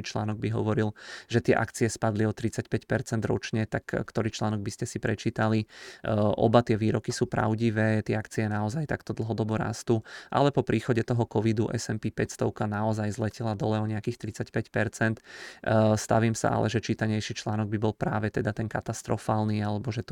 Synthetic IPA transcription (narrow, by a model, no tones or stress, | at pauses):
it͡ʃla̰ːnɔɡ̚biɦɔʋɔɾilʒɛt̪ɪɛʔa̰kt͡siɛspad̪liɔt̪ɾit͡sacpɛcpɛɾt͡sɛnd̪ɾɔ̰t͡ʃɲɛt̪akkt̪ɔɾiːt͡ʃlaːnɔɡ̚biscɛsipɾɛt͡ʃiːt̪ali | ʔɔ̰bat̪ɪɛʋiːɾɔkisuːpɾa̰ʊɟiʋɛːt̪ɪɛakt͡siɛnaɔzajt̪akt̪ɔd̪l̩ˠɦɔd̪ɔbuɾa̰ːst̪uʔa̰lɛpɔpɾʔiːxɔɟɛt̪ɔɦɔkɔʋid̪uʔɛ̰sɛmpiːpɛcst̪ɔʊkanaɔzajzlɛcɛlad̪ɔlɛɔɲɛakiːxt̪ɾit͡sacpɛcpɛɾt͡sɛnt̪ | st̪a̰ʋiːmsa̰ʔa̰lʔɛ̰ʒɛt͡ʃiːt̪aɲɛjʃiːt͡ʃlaːnɔɡ̚bibɔlpɾaːʋɛt̪ɛd̪at̪ɛnkat̪ast̪ɾɔfaːlniːalɛbɔʒɛt̪